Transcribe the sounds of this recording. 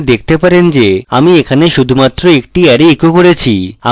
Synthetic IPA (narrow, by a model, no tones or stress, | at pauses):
d̪ek̚ʰt̪epaɾend͡ʑeamiekʰaneʃud̪ʱumat̪ːɾoek̚ʈiɛɾeikukoɾet͡ɕʰia̰